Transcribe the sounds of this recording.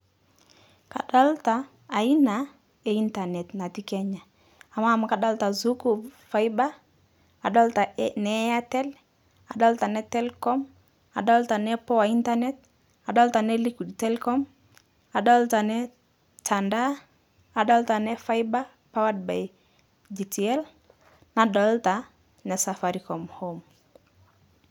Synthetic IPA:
ka̰˨ɗa˦ltaː˨ | i˦na˨ | ɛ˨i˦nta˨nɛ˨tna˨ti˦kɛ˦ɲa˨ | a˨ma˦˨mu˨ka˨da˦lta˨zu˦ku˨bfa˦jba˦ | a˨da˦lta˨nɛ˨˦a˦tɛ˦l | a˨ɗa˦lta˨nɛ˦tɛ˦lkɔ˦m | a̰˨ɗa˦lta˨nɛ˦pɔ˦wa˨i˦nta˦nɛ˦t̚ | a˨ɗɔ˦lta˨nɛli˦ki˨dtɛlkɔ˦m | a˨ɗɔ˦lta˨nɛ˦ | ta˨nda˦ | a˨ɗɔ˦lta˨nɛ˦fa˦jba˦ | pa˦wa˦d̚ba̰˨j | d͡ʒi˨ti˨ɛ˦l | na˨ɗɔ˨lta˨ | nɛ˨sa˨faɾi˨kɔ˨mhɔm

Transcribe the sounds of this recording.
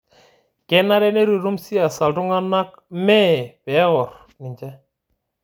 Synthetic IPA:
kɛ˦na˦ɾɛ˦ne˦ɾu˨ɾu˦msi˦a˨sa˨ltʊ˦ŋa˦na˦k̚ | mɛ˦pɛ˨˦ɣɔ˨ɾ | ni˨d͡ʒɛ˦

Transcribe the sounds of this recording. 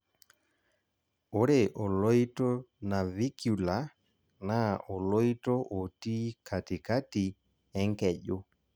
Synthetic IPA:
o˦ɾe˨ʔo˨lo˦jto˦na˨vi˦kju˨la˨˦ | na˦o˨lo˦jto˦ʔo˨ti˦kʰa˨ti˨ka˦ti˨ | ɛ˦ŋkɛ˨ʄo˦

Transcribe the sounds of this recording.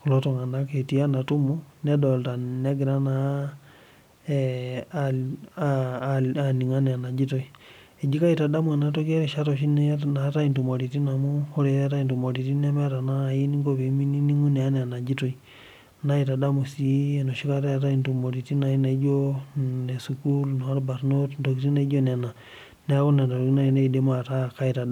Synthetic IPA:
ku˨lo˦to˨ŋa˨na˦ke˨ti˦a˦na˨tu˦mo˦na˦dɔ˨lta˨nɛ˦ɡi˨ɾa˦na˨ | a˨ni˨ŋa˦nɛ˨a˨na˨d͡ʒi˦to˨i˨ | e˨d͡ʒi˦ka˦i˨ta˨da˦mwa˨na˦to˦ke˦ɾe˨ʃa˦tɔ˨ʃi˦n˦na˨˦ta˦i˨ntu˨mo˨ɾi˨ti˦na˨mu˦ho˦ɾe˨˦ɾta˦i˨ntu˨mo˨ɾi˨ti˦n˦a˦me˦ɾa˨naː˦˨ji˦ni˦ŋɡo˦be˨˦mi˦ni˦ni˦ŋu˦nɛ˨a˦nɛ˨a˨na˨d͡ʒi˦to˦i˦ | na˦i˨ta˨da˦mu˨si˨˦e˨no˨ʃi˦ka˦ɾa˦a˨ta˦i˨ntu˨mo˨ɾi˨ti˦na˨i˦na˨˦d͡ʒo˦ne˨su˨ku˦lno˨a˦ɾba˨ɾno˦tn˨to˨ki˦ti˦na˦i˦d͡ʒo˦ne˨na˨ | nɛ˦a˦ko˦ne˨nto˨ɾki˦na˦i˨ne˦i˨de˦m˦a˨ta˦ka˦i˨ta˨da˦

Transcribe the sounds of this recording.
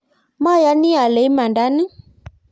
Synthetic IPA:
ma˦˨ja˨˦ni˦a˨le˨˦i˦ma˨nda˨˦ni˦

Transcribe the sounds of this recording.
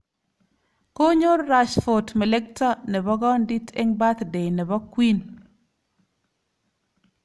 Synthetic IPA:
ko˦ɲo˦ɾːa˨ʃfo˨tme˨le˦k̚tɔ˦ne˨bɔ˦ɡɔ˦ndi˦te˦ŋba˦t̪de˨jne˨bɔ˦kwi˦n

